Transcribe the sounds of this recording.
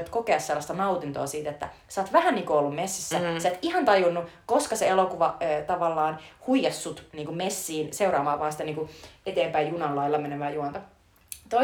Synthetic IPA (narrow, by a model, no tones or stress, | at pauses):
t̪kokeɑsselːɑst̪ɑnɑut̪int̪o̰ːsiːt̪et̪ːæ̰sɑːt̪ʋæhænniːŋkuolːummesːisːæsæːt̪ihɑnt̪ɑjunːukoskɑseelokuʋɑøt̪ɑʋɑlːɑːnhuijɑsːut̪niːŋkumesːiːnseuɾɑːʋɑːʋɑɑnsi̥t̪æniːŋkuet̪eːmpæijjunɑlːɑilːɑmenemæːjuɑnt̪o | t̪o